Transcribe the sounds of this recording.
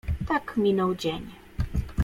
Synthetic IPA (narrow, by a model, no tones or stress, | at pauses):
t̪akmʲinɔwd͡ʑeɲ